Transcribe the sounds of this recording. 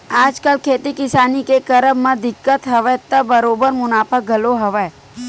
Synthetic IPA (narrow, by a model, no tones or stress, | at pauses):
aːd͡ʒkəlkʰeːt̪ikɪsaːnikekɐɾəbmẽd̪ɪkːət̪ɦɐʋɛt̪əbɐɾoːbəɾmʊnaːpʰək̚ɡʱɐloɦɐʋɛ